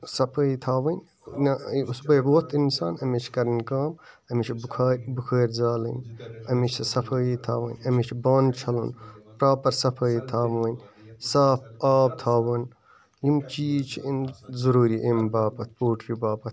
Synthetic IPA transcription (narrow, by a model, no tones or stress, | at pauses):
sɐpʰəːjit̪ʰaːʋɐnʲ | nausbɐjɣoːt̪ʰinsaːnɐmet͡ʃʰkɐɾnʲkaːm | ɐmit͡ʃʰbkʰːɾʲbukʰəːɾʲzaːlɐ̰nɐmit͡ʃʰɐsɐpʰəːjit̪ʰaːʋɐ̰nʲɐmit͡ʃʰbaːnt͡ʃʰɐlṵnpɾaːpɐɾsɐpʰəːjit̪ʰaːʋɐːnʲsaːpaːb̚t̪ʰaːwɐn | jimt͡ʃiːt͡ʃʰiinzuɾuːɾiʔembaːpɐt̪̚ʰpoːʈʰɾibaːpɐt̪̚ʰ